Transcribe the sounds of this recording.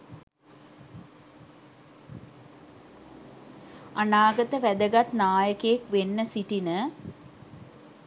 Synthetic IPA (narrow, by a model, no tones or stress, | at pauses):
anaːɡət̪əʋæd̪əɡat̪naːjəkəjekʋenːəsiʈinə